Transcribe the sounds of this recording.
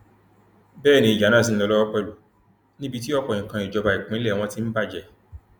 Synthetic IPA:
bɛː˦˨nĩ˧i˨d͡ʒa˨˦nã˦˨s̬ĩ˦lɔ˧lɔ˦wɔ˦k͡pɛ˧lu˨ | nĩ˦bi˧ti˦ɔ˦k͡pɔ˨ĩ˨kã˧i˨d͡ʒɔ˧ba˧˨i˨k͡pĩ˨˦lɛ˦˨w̃ɔ̃˧ti˦n̩˦ba˦˨d͡ʒɛ˨

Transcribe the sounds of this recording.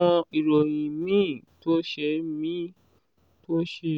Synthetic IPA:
ɔ̃˧i˨ɾo˨j̃ĩ˨mĩ˦˨to˦ʃe˧˦mĩ˦ | to˦ʃe˧

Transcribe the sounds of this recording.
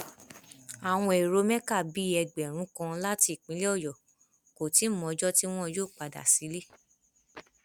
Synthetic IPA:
a˨w̃ɔ̃˧e˨ɾo˧mɛ̃˦ka˦˨bi˨˦ɛ˧ɡ͡bɛ˨ɾ̃ũ˨˦kã˧la˦ti˧˨k͡pĩ˨˦le˦ɔ˦˨jɔ˨ | ko˨ti˨˦mɔ̃˧˦d͡ʒɔ˦ti˦w̃ɔ̃˦joː˦˨k͡pa˨da̰˨si˨˦le˦

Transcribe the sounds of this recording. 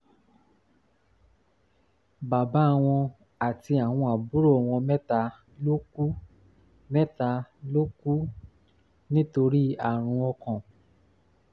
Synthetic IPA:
ba˨ba˨˦˨w̃ɔ̃˧ | a˨ti˧a˨w̃ɔ̃˧a˨bu˦ɾo˦˨w̃ɔ̃˧mɛ˦ta˧˦ | lo˦ku˦ | mɛ˦ta˧lo˦ku˦ | nĩ˦to˧ɾi˦a˨ɾ̃ũ˧ɔ˧kɔ̃˨

